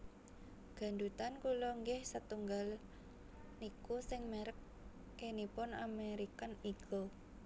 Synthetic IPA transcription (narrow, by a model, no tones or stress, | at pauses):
ɡ̥a̤ndut̪ankulɔŋɡɪhsət̪uŋɡal | nikusɪŋmeɾək̚ː | enipʊnameɾikaniɡ̥ɔ